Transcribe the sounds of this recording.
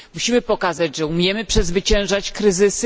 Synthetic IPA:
muɕimɘpɔkazad͡ʑʐɛumʲjɛmɘpʂɛzvɘt͡ɕɛ̃w̃ʐat͡ɕkɾɘzɘs

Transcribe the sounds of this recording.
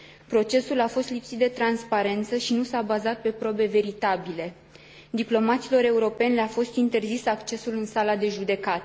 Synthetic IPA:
pɾo̞t͡ʃe̞sulafo̞st̪lipsit̪̚d̪e̞t̪ɾanspaɾe̞nt̪səʃinusabazat̪̚pe̞pɾo̞be̞ve̞ɾit̪abile̞ | d̪iplo̞mat̪silo̞ɾe̞uɾo̞pe̞nʲleafo̞st̪int̪e̞rzisakt͡ʃe̞sulɨnsalad̪e̞ʒud̪e̞kat̪e

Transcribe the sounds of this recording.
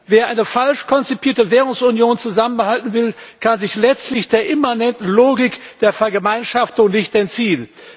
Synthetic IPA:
veːɐʔaɪnəfalʃkʰɔnt͡sipʰiːɐtəveːʁ̞ʊŋsunjoːnt͡suzamənbəhaltn̩vɪlkʰanzɪçlɛt͡stlɪçd̥eːɐʔɪmanɛntn̩loːɡɪkd̥eːɐfɛɐɡəmaɪnʃaftʊŋnɪçtɛntt͡siːən

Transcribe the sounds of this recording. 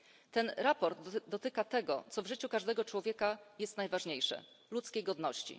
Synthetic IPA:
t̪ɛnɾapɔɾd̪d̪ɔt̪ɘkat̪ɛɡɔ̰t̪sɔvʐɘt͡ɕukaʐd̪ɛɡɔt͡ʂwɔvʲjɛkajɛst̪najvaʐɲejʂɛ̰ | lut̪skʲejɡɔd̪nɔɕt͡ɕḭ

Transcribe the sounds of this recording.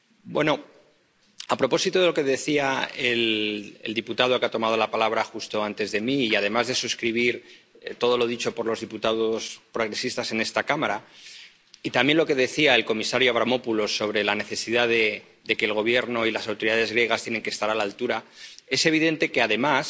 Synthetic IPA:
bwe̞no̞ | apɾo̞po̞sit̪oðe̞lo̞ke̞ðe̞θiaelḛld̪iput̪aðokat̪o̞mað̞o̞lapalaβ̞ɾaxust̪o̞ant̪e̞zðe̞miːað̞e̞mazðe̞suskɾiβ̞iɾ | t̪o̞ðo̞lo̞ðit͡ʃo̞po̞ɾlo̞zðiput̪aðo̞spɾo̞ɣ̞ɾe̞sist̪ase̞ne̞st̪akamaɾa | it̪ambje̞nlo̞ke̞ðe̞θiae̞lko̞misaɾjoaβ̞ɾamo̞pulo̞so̞β̞ɾe̞lane̞θe̞siðaðe̞ | d̪e̞ke̞ːlɣo̞β̞je̞ɾno̞ilasawt̪o̞ɾiðaðe̞zɣɾje̞ɣast̪jene̞ŋkest̪aɾalalt̪uɾae̞se̞β̞iðe̞nt̪e̞ke̞aðe̞mas

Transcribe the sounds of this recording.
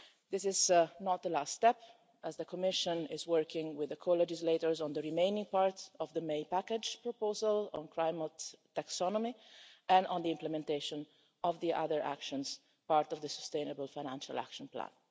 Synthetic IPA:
d̪ɪsɪznɔt̪̚d̪əlast̪ɛp | ʔəzd̪əkɔmɪʃə̃nɪzwɜɹkɪ̃ŋwɪðəkʰolɛd͡ʒɪzleɪtəɹzɔ̃nd̪əɹimẽɪnɪ̃ŋpaɹtɔvðəmeɪpækəd͡ʒpɹɔpoːzalɔ̃nkʰɹajmət̪ː | aksɔnɔmiɛ̃nɔ̃nd̪iɪ̃mplɛmɛ̃nt̪eɪʃɔ̃n | ɔvðiʔa̰ðəɹʔæ̰kʃɔ̃nz | paɹt̪ɔvd̪əsəst̪ẽɪnəbəlfajñæ̃nʃala̰kʃɔ̃nplæ̰̃n

